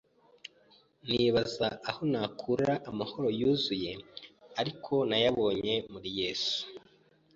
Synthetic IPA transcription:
niβazaaho̞naːkʰuɾaʔːmaho̞ɾo̞juːzuje̞aɾikʰo̞najaβo̞ːɲe̞muɾije̞ːsu̥

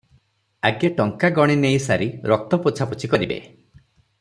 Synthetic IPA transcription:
aɡeʈɔŋkaɡɔɽ̃inejsaɾiɾɔk̚t̪ɔput͡ʃʰaput͡ʃʰikɔɾibḛ

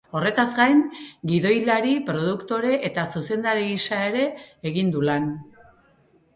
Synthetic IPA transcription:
o̞re̞t̪azɡajŋɡiðo̞jlaɾipɾo̞ð̞ukt̪o̞ɾe̞ʔet̪asuse̞nd̪aɾiɣisae̞ɾe̞ːɣind̪ulan

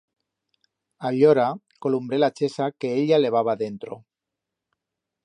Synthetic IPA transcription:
aʎoɾa | ko̞lumbɾe̞lat͡ʃe̞sake̞eʎale̞β̞aβ̞aðe̞nt̪ɾo

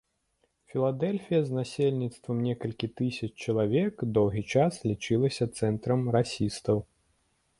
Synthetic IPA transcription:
fʲilˠad̪ɛlʲfʲijɐznasʲelʲnʲit̪st̪vɐmnʲɛkɐlʲkʲit̪ɨsʲɐt͡ʃt͡ʃɐlˠavʲɛkd̪ɔwɣʲit͡ʂaslʲit͡ʂɨlˠɐsʲɐt̪sɛnt̪ɾɐmɾasʲist̪ɐw

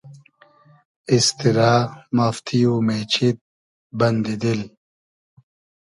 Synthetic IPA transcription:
ist̪iɾaːmɐft̪ʰijumet͡ɕʰit̪̚ | bɐnd̪id̪il

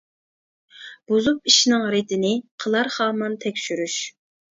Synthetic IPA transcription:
b̥ozupiʃnɪŋɾet̪ɪnɪqʰəlˠɑɾχɑːmɑnt̪ʰɛkʲʃyɾyʃ

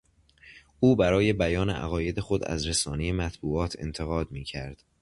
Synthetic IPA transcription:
ʔuːbæɾɒːje̞bæjɒːnḛʔæ̰ɣɒːje̞d̪e̞xo̞d̪æ̰zɾesɒːneje̞mæt̪ʰbuːɒːt̪ʰe̞̰nt̪ʰe̞ɣɒːd̪miːcʰæɾd̪̥

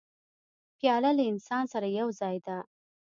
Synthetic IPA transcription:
pjɑlalaɪnsɑnsaɾajawzɑjd̪a

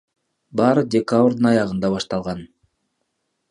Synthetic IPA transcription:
bɑːɾɯdʲekabrd̪ɯnɑjɑʁɯnd̪ɑβɑʃt̪ɑlˠʁɑn

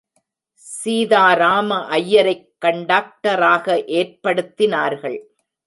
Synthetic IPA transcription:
siːðaːɾaːmɐʔɐjːɐɾɐɪkːɐɳɖaːk̚ʈɐɾaːɣɐʔeːrpɐɽɯt̪ːɪnaːɾɣɐɭ

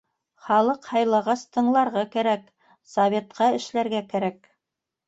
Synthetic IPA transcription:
χɑlˠɤqhɑjlˠɑʁɑst̪ʰɤ̆ɴlˠɑɾʁɑkæɾæk | sɐvʲe̞t̪qɑɘ̆ʃlæɾɡækæɾæk̚

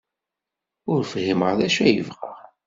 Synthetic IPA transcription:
ʊɾfhiməʁðæʃæjəvʁəʁ

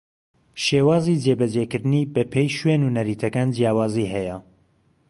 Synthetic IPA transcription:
ʃeːwaːzid͡ʒeːbɐd͡ʒeːkɨɾd̪ɨnibɐpʰejʃwenunɐɾiːt̪ʰɐkaːnd͡ʒijaːwaːziːɦɛjɐ

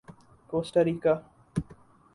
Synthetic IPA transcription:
poːsʈɐɾiːka

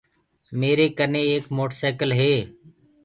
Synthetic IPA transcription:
meːɾeːkəɾneːeːkmoːʈseːkəlɦeː

